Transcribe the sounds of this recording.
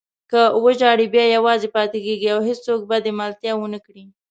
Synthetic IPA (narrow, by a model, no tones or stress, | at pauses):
kəwəd͡ʒɑɽibjɑjawɑzepɑt̪ekeɡiawɦest͡sok̚bad̪emalt̪jɑwənəkɽi